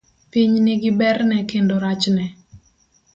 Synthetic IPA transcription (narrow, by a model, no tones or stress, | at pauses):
piɲnɪɡɪbɛrnɛkendoɾat͡ʃnɛ